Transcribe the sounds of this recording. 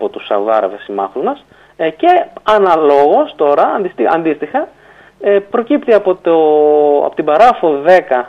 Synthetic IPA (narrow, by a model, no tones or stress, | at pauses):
pot̪usɐ̰vɐ̰ɾɐ̰vesimɐ̰fuzmɐs | ce̞ɐnɐlo̞ɣo̞st̪o̞ɾɐːnd̪ist̪iɐ̰nd̪ist̪ixɐ | epɾo̞cipt̪iɐpot̪oɐ̰pot̪ibɐɾɐfoðe̞kɐ